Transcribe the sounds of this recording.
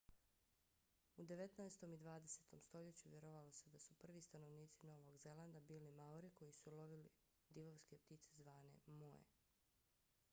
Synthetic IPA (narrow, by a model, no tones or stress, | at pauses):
ud̪e̞ʋe̞t̪naest̪o̞mid̪ʋaːd̪ese̞t̪o̞mst̪o̞ʎe̞t͡ɕuʋjeɾoʋalo̞se̞d̪asupr̩ʋist̪ano̞ʋniːt̪sino̞ʋo̞ɡze̞lˠand̪abiːlimauɾiko̞jisulo̞ʋili | d̪iʋoʋskep̚t̪it̪sezʋaːne̞̰moḛ